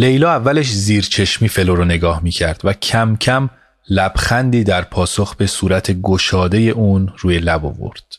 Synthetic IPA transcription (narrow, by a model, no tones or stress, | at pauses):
le̞jlɒːævːæle̞ʃziːɾt͡ʃʰe̞ʃmiːfe̞loɾone̞ɡɒːhmiːcʰæɾd̪̥væcʰæmcʰæm | læb̥xænd̪iːd̪æɾpʰɒːso̞xbe̞suːɾæt̪ʰe̞ɡoʃɒːd̪e̞je̞ʔuːnruːje̞læbo̰vo̰ɾd̪̥